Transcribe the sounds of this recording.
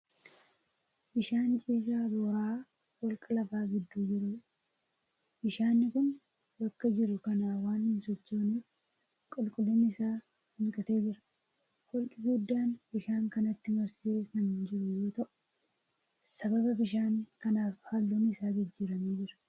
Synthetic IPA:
ʔɪʃaːnt͡ʃʼiːs̬aːboːɾaː | wɔlkʼɐlɐfaːɡɪd̪ːuːd͡ʒɪɾʊ | bɪʃaːnːɪkʊn | bɐkːɐd͡ʒɪɾʊkɐnaːwaːnhɪnsɔt͡ʃːoːniːf | kʼɔlkʼʊlːɔnːɪɪsaː | hɪŋkʼɐt̪e̞ːd͡ʒɪɾɐ̥ | wɔlkʼɪɡʊd̪ːaːnb̥ɪʃaːŋkɐnɐt̪ːɪmɐɾseːkɐnnd͡ʒɪɾʊjo̞ːt̪ɐʔʊ̥ | sɐbɐbɐbɪʃaːŋkɐnaːfhaːlːuːnɪsaːd͡ʒɪd͡ʒːiːɾɐmeːd͡ʒɪɾɐ̥

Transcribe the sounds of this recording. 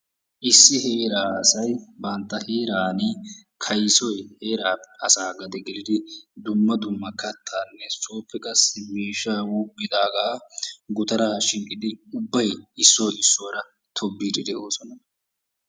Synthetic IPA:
ʔɪsːɪheːɾaːsɐjbɐnt̪ːɐheːɾaːnɪ | kʰɐjsɔjhe̞ːɾaːɐsaːɡɐd̪ɛɡɛlɪd̪ɪd̪ʊmːɐd̪ʊmːɐkɐt̪ʰːaːnːɛsoːpːɛkʼɐsːɪmeːʃːawʊbːɪd̪aːɡaːɡʊt̪ɐɾaːʃɪŋkʼːɪd̪ɪʊbːɐjɪsːoːɪsːoːɾɐ | t̪ʰɔbːiːd̪ɪd̪ɛo̞ːsɔnɐ

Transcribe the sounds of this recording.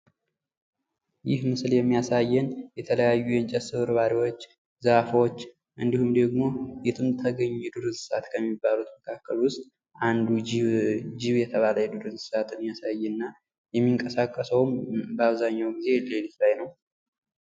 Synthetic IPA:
jɪhmɨsljɛmːijasajːɛnjɛt̪ʰələjajːujɛnt͡ʃʼɛsɨβɨɾβaɾiwot͡ʃː | zəfwot͡ʃː | ʔɨnd̪ihumd̪əɡmo̞jɛt̪ʰɨmt̪ʰəɡəɲːɛd̪uɾɨzɨsat̪kʰəmːibːalut̪məkʰakːəlwʊst̪ʼ | ʔand̪u | d͡ʒiβjɛt̪ʰəβaləjɛd̪ɨɾɨzɨsat̪ɨnːijasajːɛnːa | jɛmːiŋkʼəsakʼːəsəwmbəaβzaɲːawɡize̞lelit̪lajnəw

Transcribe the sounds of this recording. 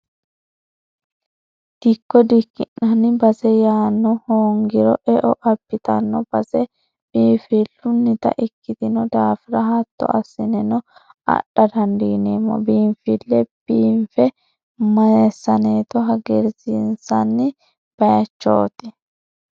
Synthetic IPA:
d̪̥ɪkːɔd̪ɪkːɪnːɐnɪbɐsɛjaːnːɔhoːŋɡɪɾɔʔɛʔɔʔɐbːɪt̪ɐnːɔb̥ɐsɛ | b̥iːfilːʊnːɪt̪ɐ̰ʔɪkːɪt̪ɪnɔd̪aːfɪɾɐɦɐt̪ːɔ̰ʔɐsːɪnɛnɔ | ɐ̰ɗɐd̪ɐnd̪iːneːmːɔ̰biːɱfɪlːɛb̥iːɱfɛ | mɐjɛsːɐneːt̪ɔɦɐɡɛɾzinsɐnːɪ | b̥ɐjɐt͡ʃːo̰ːt̪ɪ

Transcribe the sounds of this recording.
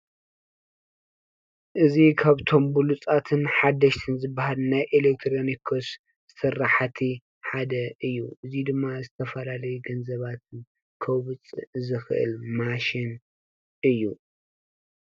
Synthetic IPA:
ʔɨzikʰaβt̪ʰo̞mbulut͡sʼat̪ʰɨnħad̪ːɐʃt̪ʰɨnzɨbːahalnajʔelek̚t̪ʰɾonikʰos | sɨrːaħat̪ʰi | ħad̪ɐʔɨjːuʔɨzid̪ɨmːazɨt̪ʰɐfɐlalɐjuɡɐnzɐβat̪ʰɨn | kʰɐwβɨt͡sʼzɨxɨʔɨ̰lmaʃin | ɨjːu

